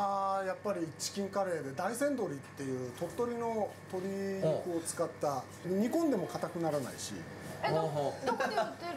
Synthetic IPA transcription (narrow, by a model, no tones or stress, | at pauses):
ajapːaɾʲiːt͡ɕi̥kʲĩŋkaɾe̞ːd̪e̞d̪aisẽ̞nd̪o̞ɾʲit̪ːe̞jɯ̟ːt̪o̞t̪ːo̞ɾʲino̞t̪o̞ɾʲikɯ̟o̞t͡sɨ̥kat̪ːa | ɲ̟ikõ̞nd̪e̞mo̞kat̪akɯ̟naɾana̰iɕḭ | ɦ